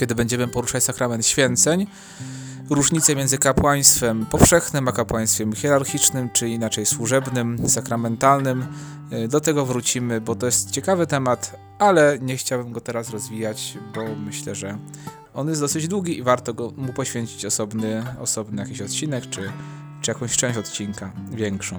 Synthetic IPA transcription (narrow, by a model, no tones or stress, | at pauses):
kʲɛd̪ɘbɛɲd͡ʑɛmɘpɔɾuʂat͡ɕsakɾamɛnt̪ɕfʲjɛnt̪sɛɲ | ɾuʐɲit̪sɛmʲɛnzɘkapwaj̃st̪fɛmpɔfʂɛxnɘmakapwaj̃st̪fʲjɛmxʲɛɾaɾxʲit͡ʂnɘmt͡ʂɘinat͡ʂɛjswuʐɛbnɘmsakɾamɛnt̪alnɘm | d̪ɔt̪ɛɡɔvɾut͡ɕimɘbɔt̪ɔjɛst̪t͡ɕɛkavɘt̪ɛmat̪ | alɛɲɛxt͡ɕawbɘmɡɔt̪ɛɾasɾɔzvʲijat͡ɕbɔmɘɕlɛʐɛ | ɔnjɛsɔsɘd͡ʑd̪wuɡʲiivaɾt̪ɔɡɔmupɔɕfʲjeɲt͡ɕi̥t͡ɕɔsɔbnɘɔ̰sɔbnɘjakʲiɕɔt̪t͡ɕinɛkt͡ʂɘ | t͡ʂɨjakɔ̃w̃ɕt͡ʂɛ̃w̃ɕɔt̪t͡ɕinkavʲjɛŋkʂɔ̃w̃